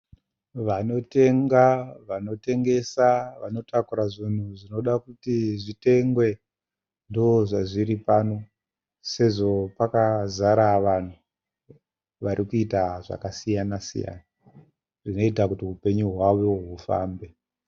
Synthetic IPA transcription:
ʋano̞te̞ŋɡaʋano̞te̞ŋɡe̞saʋano̞takuɾaʐin̤uʐino̞ɗakutiʐite̞ŋɡwe̞ | ndooʐaʐiɾipano̞ | se̞ʐo̞pakazaɾaʋan̤u | ʋaɾʔikuitaʐa̰kasijanasḭja̰ːna | ʐ̥ino̞itakutiɦupe̞ɲuɦwawoɦufa̰ːmbe̞

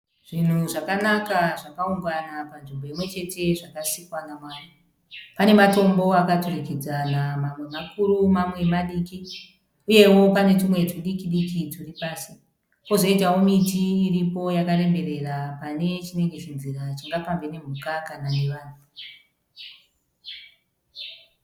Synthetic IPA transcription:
ʐ̥in̤uʐakanakaʐakauŋɡanapanʐimbo̞imwe̞t͡ʃe̞te̞ʐakasikwanamwaːnu | pane̞mato̞mbo̞akatoreked͡zanamamwe̞makuɾumamwe̞maɗiːki | uje̞wo̞pane̞tumwe̞tuɗikiɗikituripaːsi | kozo̞itaomitiːripo̞jakare̞mbe̞re̞rapane̞t͡ʃine̞ŋɡe̞t͡ʃinzirat͡ʃiŋɡapaɱvene̞m̤ukakanane̞ʋaːn̤u

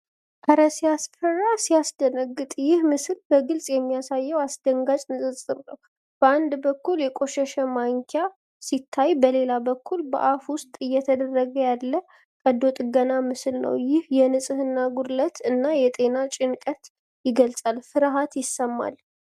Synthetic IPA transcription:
ʔʰaɾəsiasfərːasijasd̪ənəɡːɨt̪ʼjɪhmɨsɨlbəɡɨlsʼjɛmːijasajːəwasd̪əŋɡat͡ʃʼnɨsʼɨsʼɨɾnəw | b̥əand̪bəkːuljɛkʼo̞ʃɛʃɛmaŋkʰja | sit̪ʰːajbəle̞labəkːulbə̰ʔafwʊst̪ʼɨjːɛt̪ʰəd̪ərːəɡəjalːə | kʼəd̪o̞t̪ʼɨɡənamɨslnə̰wjɪhjɛnɨsʼɨhɨnːaɡuɾlət̪ʰɨnːajɛt̪ʼe̞nat͡ʃʼɪnkʼət̪ | jɪɡəlsʼalfɨɾɦat̪jɪsːəmːa̰l

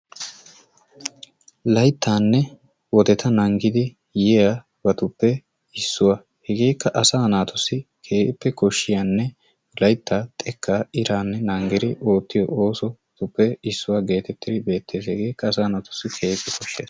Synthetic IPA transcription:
lɐjt̪ːaːnːɛ | wɔd̪ɛt̪ɐnɐŋɡɪd̪ɪ | jɛja | bɐt̪ʊpːɛ | ɪsːʊwaː | hɛɡeːkːɐʔɐsaːnaːt̪ʰʊsɪkʰeːpːɛkɔʃːɪjanːɛ | lɐjt̪ʰːaːt̪ʼɛkːaːɪɾaːnːɛnɐŋɡɛɾɪʔo̞ːt̪ːɪjɔ̰ʔoːsɔ | t̪ʊpːɛɪsːʊwaːɡe̞ːt̪ɛt̪ːɪd̪ɪbe̞ːt̪ːe̞ːshɛɡeːkːɐːsaːnaːt̪ʊ̥sɪkʰe̞ːkːɪkɔʃːe̞ːs

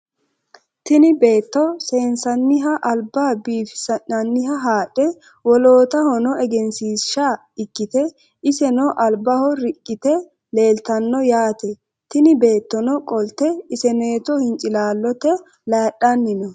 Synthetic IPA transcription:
t̪ɪnɪbe̞ːt̪ːɔse̞ːnsɐnːɪɦɐʔɐlbaːbiːfɪ̥sɐnɐnːɪhɐɦaːɗɛ | wɔlo̞ːt̪ɐhɔnɔʔɛɡɛnsiːʃa | ɪkːɪt̪ɛ | ɪsɛnɔʔɐlbɐhɔɾɪkʼːɪt̪ɛ | le̞ːlt̪ɐnːɔjaːt̪ɛ | t̪ɪnɪbe̞ːt̪ːɔnɔkʼɔlt̪ɛɪsɛneːt̪ɔhɪnt͡ʃʼɪlaːlːɔt̪ɛ | laːɗɐnːɪnɔ

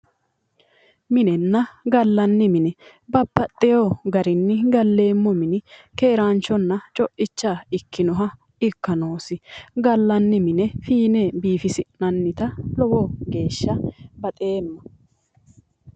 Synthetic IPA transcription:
mɪnɛnːɐɡɐlːɐnːɪmɪnɛ | bɐbːɐt̪ʼːɛjoːɡɐɾɪnːɪɡɐlːe̞ːmːɔmɪnɪke̞ːɾaːnt͡ʃːɔnːɐt͡ʃʼɔʔɪt͡ʃːaɪkːɪnɔɦɐ | ɪkːɐno̞ːsɪɡɐlːɐnːɪmɪnɛfiːnebiːfɪsɪnɐnːɪt̪ɐlɔwɔɡe̞ːʃːɐbɐt̪ʼeːmːɐ

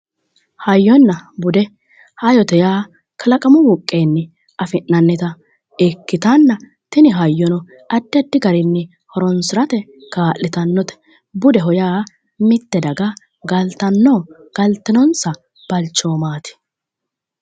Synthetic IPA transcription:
hɐjːɔnːɐbʊd̪ɛ | hɐjɔt̪ɛjaː | kʰɐlɐkʼɐmɔwʊkʼːeːnːɛ | ʔɐfɪnːɐnːɪt̪ɐ | ɛkːɪt̪anːɐ | t̪ɪnɪɦɐjːɔnɔ | ʔɐd̪ːɪɐd̪ːɪɡɐɾɪnːɛ | hɔɾɔnsɪɾɐt̪ɛkaːʔːɪt̪ɐnːɔt̪ɛ̥ | bʊd̪ɛɦɔjaː | mɪt̪ːɛd̪ɐɡɐ | ɡɐlt̪ɐnːoː | ɡ̥ɐlt̪ːɪnɔnsɐ | b̥ɐlt͡ʃːoːmaːt̪ɪ̥

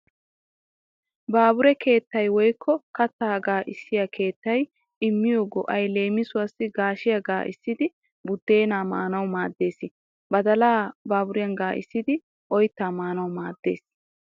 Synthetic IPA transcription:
baːbʊɾɛkʰe̞ːt̪ːɐjwɔjkʰːɔkɐt̪ːaːɡaːʔɪsːɪjɐkʰe̞ːt̪ːɐj | ɪmːɪjoːɡɔ̰ʔɐjle̞ːmːɪsʊwɐsːɪɡaːʃɪjɐɡaːʔɪ̰sːɪd̪ɪ | bʊd̪ːe̞ːnaːma̰ːnɐwmaːd̪ːe̞ːsɪ | bɐd̪ɐlaːbaːbʊɾɪjɐŋɡaːʔɪ̰sːɪd̪ɪ | ʔɔjt̪ːaːmaːnɐwmaːd̪ːe̞̰ːs

